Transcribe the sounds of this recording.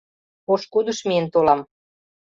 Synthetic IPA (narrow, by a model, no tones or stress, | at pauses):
poʃkud̪ə̆ʃmiənt̪olɑm